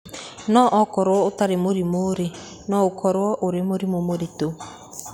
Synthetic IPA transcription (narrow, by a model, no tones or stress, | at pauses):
nɔʔɔkɔɾwɔotaɾemoɾimoɾe | nɔokʰɔɾwɔʔoɾemoɾimomoɾito